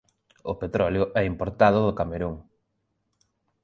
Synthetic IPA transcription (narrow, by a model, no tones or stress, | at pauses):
ʊpet̪ɾɔljʊʔɛimpoɾt̪aðʊðʊkameɾuŋ